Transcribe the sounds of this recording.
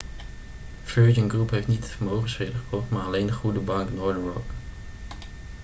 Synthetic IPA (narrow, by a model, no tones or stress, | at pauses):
føːd͡ʒənɡrupɦeftnitfəmowχənsreːdəχoːχmaːalejnəχudəbaŋknɔːdəɹɔk